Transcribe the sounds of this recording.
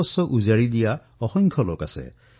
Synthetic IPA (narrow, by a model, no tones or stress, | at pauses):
ɔsɔʔuzaɹid̪ija | ɔxɔŋkʰɔlokasɛ̰